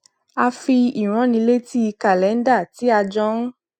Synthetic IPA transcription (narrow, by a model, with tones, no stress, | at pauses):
a˧fi˧i˨w̃ɔ̃˨˦nĩ˧le˦ti˦i˧ka˨lɛ˨˦n̩˦da˦˨ti˨˦a˧d͡ʒɔ̃˧ñ̩˦